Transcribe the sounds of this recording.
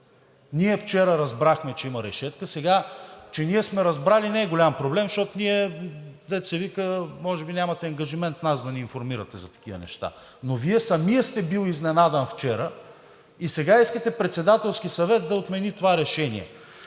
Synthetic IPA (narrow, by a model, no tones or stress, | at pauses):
niɛft͡ʃɛɾəɾɐzbɾaxmɛt͡ʃɛimɐɾɛʃɛt̪kəsɛɡat͡ʃɛniɛsmɛɾɐzbɾalinɛːɡolʲampɾoblɛmʃt̪ɔt̪oniɛd̪ɛt̪sɛvikəmɔʒɛbinʲamɐt̪ɛɐŋɡɐʒimɛnt̪nazd̪ɐnɛinfoɾmiɾət̪ɛzɐt̪ɐ̥k̟ivə̰nɛ̰ʃt̪a̰ | noviɛsɐmijəst̪ɛbilˠiznɛnad̪ɐnft͡ʃɛɾə | isɛɡaiskət̪ɛpɾɛt̪sɛd̪at̪ɛlˠsk̟isɐvɛt̪̚d̪ɐot̪mɛnit̪ovaɾɛʃɛnḭɛ̰